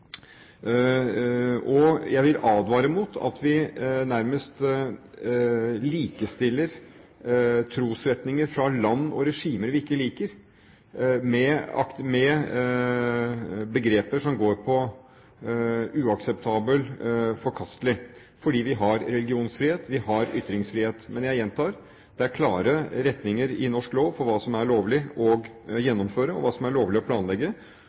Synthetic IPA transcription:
ʔɔjæɪʋɪlɑːd̪ʋɑːɾəmut̪ʰɑ̰t̪ʋɪnæɾməst̪ | liːkəst̪ɪlːəɾ | t̪ʰɾuːsɾɛt̪nɪŋəɾfɾɑlɑnːɔ̰ɾɛʂiːməɾʋɪɪkːəliːkəɾ | mɛɑ̰kmɛ | bəɡɾeːpəʂɔmɡoːɾpʰɔ | ʉːɑksɛp̚t̪ʰɑːbəlfɔɾkʰɑst̪lɪ | fɔɖiːʋɪɦɑɾɾɛlɡɪuːnsfɾɪheːt̪ʋɪhɑɾʏt̪ːɾɪŋsfɾɪːheːt̪mɛnjæɪjɛnt̪ʰɑːɾ | d̪̥ɛæɾkʰlɑːɾəɾɛt̪nɪŋəɾɪnɔʂkloːʋfɔɾʋɑːsɔmæɾɭoːʋlɪɔɡjɛnːɔmføːɾəɔ̰ʋɑːsɔmæɾɭoːʋlɪɔpʰlɑːnlɛɡːə

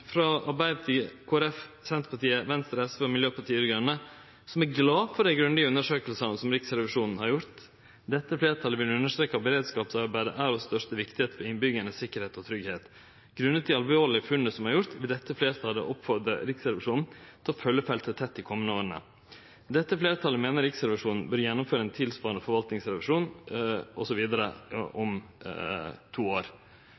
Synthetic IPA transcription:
fɾɑɑɾbæɪd̪ət̪ʰɪlkʰoːæɾɛfsɛnt̪pɑʈ̪iːəʋɛnst̪ɾɛsʋɛɔmɪljøːpʰɑʈʰiːɡɾœnːə | sɔmæɾɡlɑːfɔɖ̪æɪɡɾʉnd̪ɪəʉnːəʂøːkəlsɑnəsɔmɾɪksɾɛʋɪʂuːnn̩hɑɾjʊɾt̪ | d̪ɛt̪ːəfleːɾt̪ʰɑləʋɪlʉnːəʂt̪ɾeːkːɑbəɾeːd̪skɑːpsɑɾbæɪd̪ə̰ʔæɾɔsst̪œʂt̪əʋɪkt̪ɪheːt̪fɔɾɪnbʏɡənəsɪkːəɾheːt̪ɔt̪ʰɾʏɡheːt̪ | ɡ̥ɾʉnːət̪ʰɪɑlʋoːɾlɪfʉnəsɔmhɑɾjʊɾt̪ʋɪld̪ɛt̪ːəfleːɾt̪ʰɑlə̰ʔɔpfɔɾd̪əɾɪksɛlʋɪʂuːnn̩t̪ʰɔfœlːəfɛlt̪ʰət̪ʰɛt̪ːɪkʰɔmːənəoːɾənə̰ | d̪ɛt̪ːəfleːɾt̪ʰɑlːəmeːnəɾɪksɛlʋəʂuːnn̩bœɾjɛnːʊmføːɾəɛɪnt̪ʰɪlspɑːɾənəfɔɾʋɑlt̪nɪŋsɾɛʋɪʂuːnʔɔsɔʋiːd̪əɾə̰ʔɔm | t̪ʰuːoːɾ

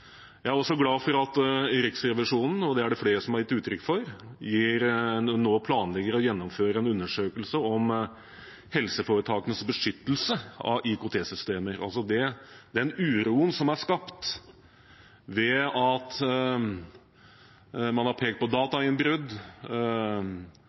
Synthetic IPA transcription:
jæɪæɾɔsɔɡlɑːfɔɾɑt̪ɾɪksɾɛʋɪʂuːnn̩ɔd̪ɛæɖɛfleːɾəsɔmhɑɾjɪt̪ːʉːt̪ʰɾʏkːfɔɾjiːɾnoːpʰlɑːnlɛɡəɾəɔjɛnːɔmføːɾəɛnʉnːəʂøːkəlsəɔm | hɛlsəfoːɾət̪ʰɑːkənəsbəʂʏt̪ːəl̩səɑ̰ʔɪkʊt̪ʰeːsʏst̪eːməɾɑ̰lsɔd̪ɛd̪ɛnʉːɾuːənsɔmæʂkɑpt̪ | ʋɛɑt̪ | mɑnhɑɾpʰeːkt̪̚pʰɔd̪ɑːt̪ɑɪnbɾʉd̪

